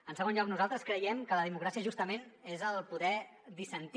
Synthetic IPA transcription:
ənsəɣ̞onʎɔknuzalˠt̪ɾəskɾəjɛmkələðimukɾasiəʒust̪əmenezəlˠpuðɛ | d̪isənt̪

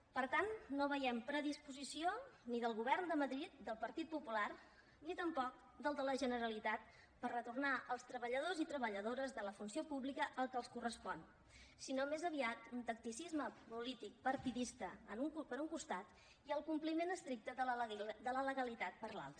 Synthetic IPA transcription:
pəɾt̪annoβəjɛmpɾəðispuzisioniðəlˠɣuβɛrnd̪əməðɾit̪̚d̪əlˠpəɾt̪it̪̚pupular | nit̪əmpɔk̚ | d̪əlˠd̪ələʒənəɾəlit̪at̪̚ | pərrət̪urnaʔəlˠst̪ɾəβəʎəð̞ozit̪ɾəβəʎəðoɾəzðələfunsiopuβlikəʔəlˠkəlˠskurəspɔn | sinomezəβ̞iat̪unt̪ək̚t̪isizməpulit̪ik̚pəɾt̪iðist̪əənuŋkupəɾuŋkust̪at̪ | iəlˠkumplimenəst̪ɾik̚t̪əðəd̪ələləɣəlit̪at̪̚pəɾla̰lˠt̪ɾə

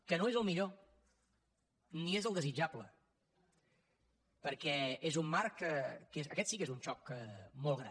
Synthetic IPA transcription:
kənoezəlˠmiʎo | niezəlˠd̪əzid͡ʒablə | pəɾkɛezumːaɾkəkezəkɛt̪sikezunt͡ʃɔkəmolˠɣɾa̰

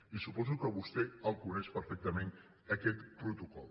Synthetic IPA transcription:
isupɔzukəβust̪eəlˠkunɛʃpəɾfɛk̚t̪əmẽn | ɐkɛt̪pɾut̪ukɔl

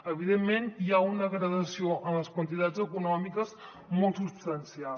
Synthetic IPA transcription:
əβiðemːenjaunəɣɾəðəsioʔənləskwənt̪̬it̪ad͡zəkunɔmikəz | mɔlˠt̪supst̪ənsial

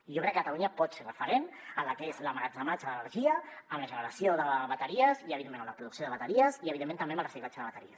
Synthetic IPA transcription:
iʒokɾɛkːət̪aluɲəpɔt̪serəfəɾenələkezləmaɾəɡzəmat͡ʃələnəɾʒiəəmləʒənəɾəsioðəβət̪əɾiəziəβiðemẽñəmlɐəpɾuðuksioðəβət̪əɾiəziəβiðement̪əmbeəmbəlrəsiklat͡ʃəðəβət̪əɾḭəs

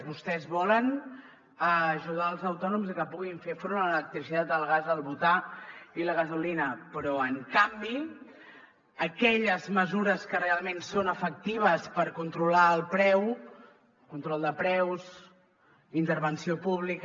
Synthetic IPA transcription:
βust̪ɛzβɔlən | əʒuðaəlˠzəwt̪ɔnumzəkəpuɣiɱfefoɾmlələk̚t̪ɾisit̪at̪̚d̪əlˠɣazəlˠβut̪ailəɣəzulinəpɾɔəŋkambi | əkɛʎəzməzuɾəskərealˠmensonəfək̚t̪iβ̞əspəɾkunt̪ɾulaəlˠpɾɛw | kunt̪ɾɔlˠd̪əpɾɛwz | int̪əɾβənsiopuβlik

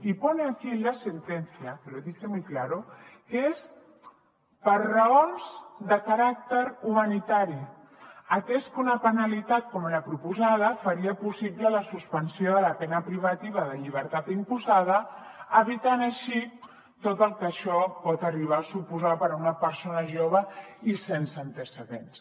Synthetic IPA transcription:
ipɔneakiləsənt̪ɛnsiapəɾoðisemujklaɾukes | pəɾrəonzd̪əkaɾak̚t̪əɾumanit̪aɾi | at̪eskunɐpənalit̪at̪̚komeɾapɾupuzað̞əfəɾiəpusiplələsuspənsioðələpɛnəpɾiβ̞ɐt̪iβ̞əðəʎiβ̞əɾt̪at̪impuzað̞ə | əβit̪anəʃi | t̪ot̪əlˠkəʃɔpɔt̪əriβ̞asupuzapəɾunəpəɾsonəʒoβ̞əisensəːnt̪əsəðens

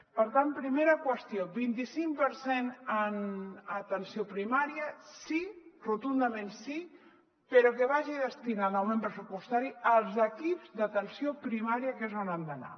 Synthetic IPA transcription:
pəɾt̪anpɾimeɾəkwəst̪jobint̪isiŋpəɾsenənət̪ənsiopɾimaɾiəsirut̪und̪əmẽnsi | peɾokeβaʒiðəst̪inanawmẽmpɾəsupust̪aɾiəlˠzəkipzðət̪ənsjopɾimaɾiəkəzβanand̪əna̰

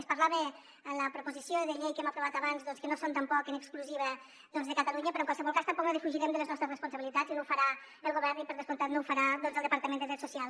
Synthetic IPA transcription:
spəɾlaβe | ələpɾupuzisioðəʎejkɛmapɾuβat̪aβanzðɔnskənosont̪ampɔkənəkskluziβ̞ə | ðɔnzðəkət̪əluɲəpɾɔŋkwalˠsəβɔlˠkast̪əmpɔknəðifuʒiɾɛmd̪ələznɔst̪ɾəsrəspunsəβilit̪azinowfəɾa | əlˠɣuβɛɾnipəɾðəspunt̪at̪nouwfəɾaðɔnzəlˠd̪əpaɾt̪əmend̪əðɾɛt̪susialˠ

